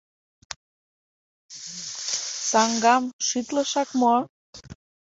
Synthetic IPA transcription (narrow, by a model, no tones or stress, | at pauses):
sɑŋɡɑmʃit̪ləʃɑkmoɑ